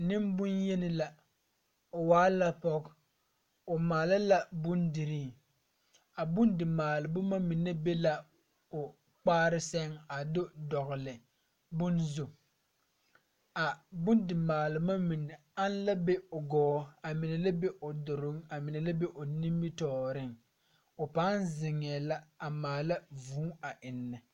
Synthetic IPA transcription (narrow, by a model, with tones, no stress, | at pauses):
nɪ˦mbʊ˦nje˦nɪ˨la˨ | ʊ˨waː˦la˦pɔ˦k | ʊ˨maː˨la˦la˦bʊ˦ndɪ˨ɾiː˦˨ | a˨bʊ˦ndɪ˨maː˨lɪ˨bʊ˦ma˦mi˨nːe˦be˦la˨ | ʊ˨ | k͡paː˦ɾɪ˦sɛ˦ŋa˨dʊ˦dɔ˨ɣʊ˨lɪ˨ | bʊ˦nzʊ˨ | a˨bʊ˦ndɪ˨maː˨lɪ˨ma˦mi˨nɛ˨a˦n˦la˦bɛ˦ʊ˨ɡɔː˦a˨mɪ˨nɛ˨la˦be˦ʔʊ˨dʊ˨ɾʊ˦ŋa˨mɪ˨nɛ˨la˦be˦ʔʊ˨ni˦mbi˦tɔː˨˦ɾɪ˦ŋ | ʊ˨pa˨˦nzɪ˨ŋɛː˨la˦a˨maː˨la˦vuː˨˦a˨ʔɪ˨nːɪ˨